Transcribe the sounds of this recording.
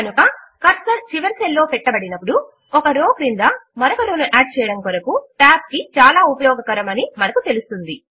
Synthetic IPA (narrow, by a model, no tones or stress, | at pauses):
ɐnukɐ | kɐɾsɐlt͡ʃiʋɐɾselːo̞ːpɛʈːɐbɐɽinɐpːuɽu | ɔkɐɾoːkɾind̪ɐmɐɾɔkɐɾoːnuʔaːɖ̚t͡ʃɛːjɐɽɐmkɔɾɐkuʈaːp̚kit͡ʃaːlaːupɐjɔːɡɐkɐɾɐmɐnimɐnɐkut̪e̞lust̪und̪i